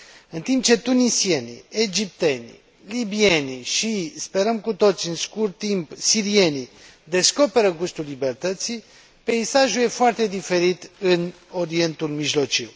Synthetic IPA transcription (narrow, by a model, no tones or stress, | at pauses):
ɨnt̪imp̚t͡ʃe̞t̪unisie̞nḭed͡ʒip̚t̪e̞nʲḭ | libie̞niʃispe̞ɾəmkut̪o̞t̪siɨnskurt̪ːimpsiɾie̞ni | d̪e̞sko̞pe̞ɾəɡust̪ulːibe̞rt̪ət̪si | pe̞isaʒuje̞foart̪e̞d̪ife̞ɾit̪ɨn | o̞ɾie̞nt̪ulmiʒlo̞t͡ʃiw